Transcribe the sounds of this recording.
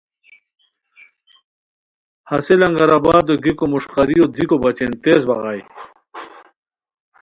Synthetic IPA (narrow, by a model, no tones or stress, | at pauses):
hɐselɐŋɡɐɾabaːd̪oɡikomuʂqɐɾijod̪ikobɐt͡ɕent̪eːzbɐʁaj